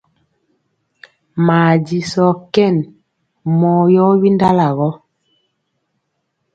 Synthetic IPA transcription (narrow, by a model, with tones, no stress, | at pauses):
maː˨di˨sɔ˨kɛ˦˨n | mɔ˨jɔ˦wi˦nda˦la˨ɣɔ˦